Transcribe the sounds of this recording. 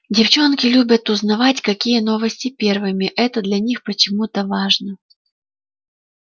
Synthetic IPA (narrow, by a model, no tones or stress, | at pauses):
dʲɪft͡ɕo̞nkʲɪlʲubʲət̪ʊznɐvatʲkɐkʲijəno̞vəsʲtʲɪpʲe̞rvɨmʲɪʔɛt̪əd̪lʲɐnʲixpət͡ɕɪmut̪əvaʐnə